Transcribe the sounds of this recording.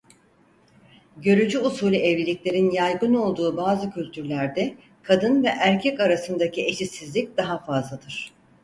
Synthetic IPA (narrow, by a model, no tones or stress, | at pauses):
ɟø̞ɾyd͡ʒyusuːlʲiɛvlʲilʲicʲlʲe̞ɾinjajɡɯno̞lˠd̪uːbaːzɯcʰylʲt̪ʰyɾlʲæɾd̪ɛ | kʰad̪ɯnvɛʔæɾcʰɛkaɾasɯnd̪acʰiʔe̞ʃisizlʲic̚d̪̥aɦafazlˠad̪ɯɾ̥